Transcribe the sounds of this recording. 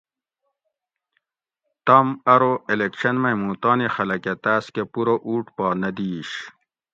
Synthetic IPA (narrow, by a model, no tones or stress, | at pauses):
t̪ɐmɐɾoelekɕɐnmɐjmuːt̪ɑːnixɐlɐket̪aːskepuɾoʔuːʈpɑːnɐd̪iːɕ